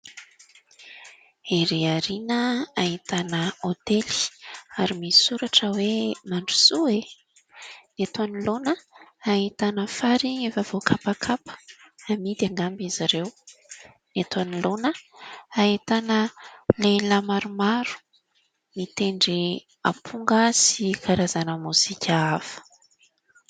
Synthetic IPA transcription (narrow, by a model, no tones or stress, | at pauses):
eɾiaɾinəaɦit̪anəot̪eli̥aɾimisuɾaʈ͡ʂəwemaɳɖ͡ʐusue | nat̪anilonəaɦit̪anəfaɾiefav̥okʰapakʰapə̥amid̪aŋɡambiziɾew | nat̪anilonəaɦit̪anəlelamaɾumaɾu̥ | mit̪eɳɖ͡ʐi | apʰuŋɡəsikʰaɾazanəmuz̥ikʲʰəafə̥